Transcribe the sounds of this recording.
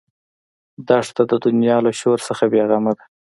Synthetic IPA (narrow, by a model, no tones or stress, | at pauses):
d̪ɑʂt̪ad̪əd̪ʊnjɑlaʃoɾsəxabjeɣamad̪a